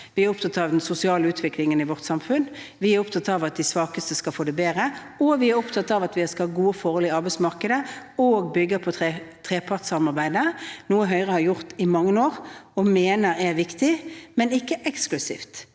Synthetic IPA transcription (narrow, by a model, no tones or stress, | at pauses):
ʋɪæɾʊp̚t̪ʰɑt̪ɑːʋd̪ɛnsʊsɪɑːləʉːt̪ʰʋɪklɪŋənɪʋɔʁt̪sɑmfʉn | ʋɪæɾʊpt̪ʰɑt̪ɑʋɑt̪̚d̪æɪsʋɑːkəst̪əskɑlfoːd̪ɛbeːɾə | ɔʋɪæɾʊpt̪ʰɑt̪ːɑʋɑt̪ʋɪɛskɑɑːɡuːəfɔɾɔːlɪɑɾbæɪsmɑʁkəd̪əoːɡbʏɡːəpʰɔt̪ʰːt̪ʰʁeːpʰɑʁt̪sɑmɑʁbæɪd̪ənuːəɦœʏʁəhɑɾjʊʁt̪ɪmɑŋːənoːʁɔmeːnəɾɛɾʋɪkt̪ɪmɛnɪkːəʔɛksklʉsḭːft̪